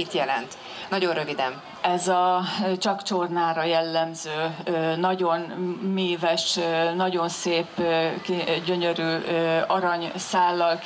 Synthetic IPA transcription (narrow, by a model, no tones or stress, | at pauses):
it̪jɛlɛ̰nt̪ | nɒɟo̞nrøvid̪ɛ̰m | ɛzɒt͡ʃɒkt͡ʃornaːɾɒjɛlːɛmzøːnɒɟo̞nmeːvɛʃnɒɟo̞nseːpːkiɟø̞ɲøɾyːɒɾɒɲsaːlːɒlk